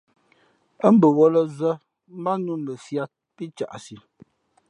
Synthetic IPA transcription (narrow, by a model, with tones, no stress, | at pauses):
ə˦m̩˦bə˨wɔ˦lə˦zə˦ | ma˦nu˦˨nlə˨sja˦t̚pi˦t͡ʃa̰˨ʔsi˨